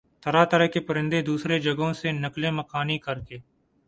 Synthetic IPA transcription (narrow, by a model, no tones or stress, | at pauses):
t̪ʰɐɾat̪ɐɾəɦkepɐɾɪ̃nd̪ed̪uːsɾed͡ʒɐɡõsenɐklemɐkaːnikɐɾkeː